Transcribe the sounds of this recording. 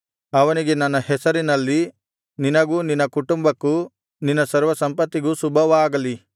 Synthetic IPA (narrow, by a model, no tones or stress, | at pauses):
ɐʋɐniɡe̞nɐnːɐhɛsɐɾinɐlːi | ninɐɡuninːɐkuʈumbɐkːu | ninːɐsɐɾʋɐsɐmpɐt̪ːiɡusubʱɐʋaːɡɐli